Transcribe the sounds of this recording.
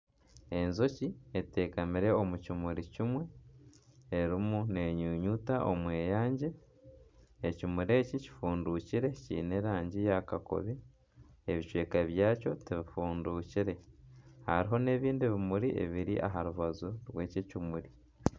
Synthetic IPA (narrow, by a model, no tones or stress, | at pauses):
e̞nzo̞ciete̞ːkamiɾe̞omucimuɾicimwe̞ː | ɾimune̞ɲuːɲutaʔo̞̰mweːjaːɲɟe̞ | cimuɾe̞ːcici̥fuːnduciɾe̞cḭːne̞ɾaːɲɟijakako̞̰βi | eβiʃweːkaβjaːco̞tiβifuːnduciɾe̞ha̰ɾiɦo̞ne̞ːβiːndiβimuɾiʔḛβiɾiʔa̰ɦaɾuβazuɾwe̞ːcicimuɾi